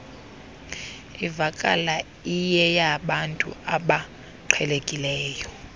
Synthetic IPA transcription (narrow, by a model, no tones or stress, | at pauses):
ivakʼa̰la | ijɛjaɓantʼṵaɓa | ǃʰwɛlekʼilɛːjɔ